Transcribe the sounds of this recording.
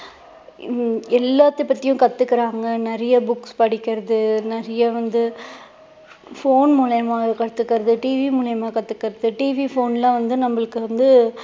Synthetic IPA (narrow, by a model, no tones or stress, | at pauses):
ɛlːaːt̪ːɯpːɐt̪ːɪjʊ̃kɐt̪ːɯkːɪɾaːŋɡɐnɛɾɐjɐbʊkspɐɽɪkʲːɪɾɐðɯnɛɾɐjɐʋɐnd̪ɯ | foːnmʊːlɐjɐmaːɣɐkɐɽɯt̪ːɯkːɪɾɐðɯʈiːʋimuːlɐjɐmaːkɐt̪ːɯkːɪɾɐðɯʈiːʋifoːnlãːʋɐnd̪ɯnɐmːɐɭɯkːɯʋɐnd̪ɯ